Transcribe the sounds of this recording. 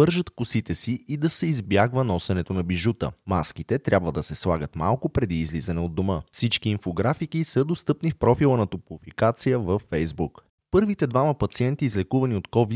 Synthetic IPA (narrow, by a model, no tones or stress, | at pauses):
ɤɾʒət̪kʊsit̪ɛsiʔid̪ɐsɛizbjaɡvənɔsɛnɛt̪onɐbiʒut̪ə̰maskit̪ɛt̪ɾʲʔabvəd̪ɐsɛslˠaɡət̪ma̰lˠkopɾɛd̪iːzlizɐnɛod̪ːoməfsit͡ʃkiːnfoɡɾafik̟isəd̪ost̪ɤpnifpɾɔfilˠənɐt̪oplˠʊfikat̪sijəvəfːɛjzbuk | pɤɾvit̪ɛd̪vaməpɐt̪siɛnt̪iːzlɛkuvɐniot̪kɔvi